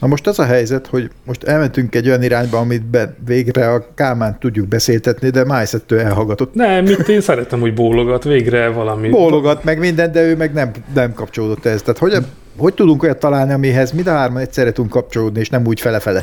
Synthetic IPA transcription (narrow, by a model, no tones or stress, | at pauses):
nɒmo̞ʃt̪ɒzɒɦɛjzɛt̪ho̞ɟmo̞ʃt̪ɛlmɛnt̪yŋkɛɟːo̞jɒniɾaːɲbɒɒmit̪bɛnveːɡrɛɒkaːmaːnt̪ːuɟːuɡ̚bɛseːlt̪ɛt̪nid̪ɛmajsɛt̪ːøːɛlɦɒlɡɒt̪ot̪ːnɛmit̪ːeːnsɛɾɛt̪ɛmho̞ɟboːloɡɒt̪ʋeːɡrɛvɒlɒmibolːoɡɒt̪mɛɡmind̪ɛnd̪ɛøːmɛɡnɛmnɛmkɒpt͡ʃo̞loːd̪o̞t̪ːɛɛst̪aːt̪ho̞ɟ | ho̞c̚t̪ud̪uŋkojɒt̪ːɒlaːlniɒmiɦɛzmind̪ɒɦaːrmɒnɛcʲsɛrɾːɛt̪ud̪uŋkːɒp̚t͡ʃo̞loːd̪nieːʃnɛmuːcfɛlɛfɛlɛ